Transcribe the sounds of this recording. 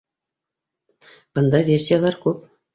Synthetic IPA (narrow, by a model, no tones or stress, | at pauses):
b̥ɤ̆nd̪ɑvʲerʲsʲijalˠɑrkup